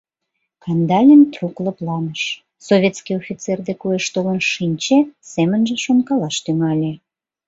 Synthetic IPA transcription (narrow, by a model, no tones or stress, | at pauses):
kɑnd̪ɑlʲint̪rukləplɑməʃ | soβʲet̪skiofʲit̪t͡serd̪ekueʃt̪olənʃinʲt͡ɕesemənʒĕʃonkɑlɑʃt̪yŋɑlʲe